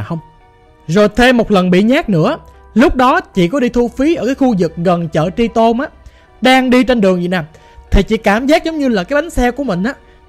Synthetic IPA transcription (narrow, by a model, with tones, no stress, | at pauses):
hə˧wŋ͡m | zo˨˩jt̪ʰe˧mo˨˩t̚lə˨˩nɓḭ˧˨ɲaː˦˥k̚nɨ̰˧˥ə | lʊ˦˥k͡p̚ɗɔ˨˦t͡ɕḭ˧˨kɔ˨˦ɗi˧t̪ʰu˧fi˨˦ʔəː˧˩kaː˨˦xu˧zɨ˨˩k̚ɣə˨˩nt͡ɕə̰ː˧˨t͡ɕi˧t̪o˧nʔaː˧˥ | ɗaː˧ŋɗi˧t͡ɕe˧nɗɨ˨˩əŋvḭ˨˧˨naː˨˩m | t̪ʰi˨˩t͡ɕḭ˧˨˥kaː˧˩mzaː˦˥k̚zə˨˦wŋ͡mɲɨ˧laː˨˩kaː˨˦jɓa˨˦ŋ̟sɛ˧ku˧˩əmï˨˩ŋ̟ʔaː˧˦